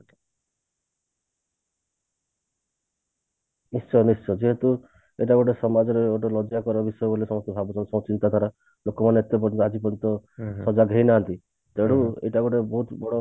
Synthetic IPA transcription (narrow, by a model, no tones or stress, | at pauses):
nisʃɔnist͡ʃːɔd͡ʒeɦet̪u | ḛʈaɡoʈesɔmad͡ʒɔɾeoʈɔlɔd͡ʒakɔɾɔbisɔjɔbolisɔmɔst̪ɔbʱabut̪ʰɔsɔw̃t͡ʃint̪ɔd̪ʱaɾɔ | lokɔmaneːt̪ep̬ɔɾnt̪ɔad͡ʒipɔɾint̪ɔsɔd͡ʒaɡʱejnaɦant̪i | t̪eɽuḛjʈaɡoʈebɔɦut̪bɔɽɔ